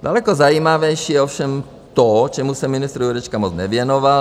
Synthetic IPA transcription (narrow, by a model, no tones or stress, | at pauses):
dalɛkozajiːmavɛjʃijɛofʃɛm | t̪ot͡ʃɛmusɛmɪnɪst̪ɾuɾɛt͡ʃkamot͡snɛvjɛnoval